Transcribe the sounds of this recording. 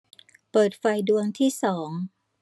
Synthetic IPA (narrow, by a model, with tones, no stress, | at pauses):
pɤː˨˩t̪̚fa˧jdu˧əŋt̪ʰiː˥˩sɔː˩˦ŋ